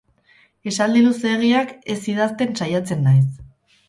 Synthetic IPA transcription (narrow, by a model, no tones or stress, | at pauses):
e̞sald̪iluseɣ̞iake̞siðast̪e̞nsajat͡se̞nːajs